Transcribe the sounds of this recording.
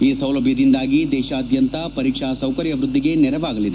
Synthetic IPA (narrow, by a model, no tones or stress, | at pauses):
iːsɐwlɐbʱjɐd̪ind̪aːɡid̪ɛːʃaɐd̪jɐnt̪ɐpɐɾiːkʂasɐwkɐɾjɐʋɾud̪ːiɡe̞nɛɾɐʋaːɡɐlid̪e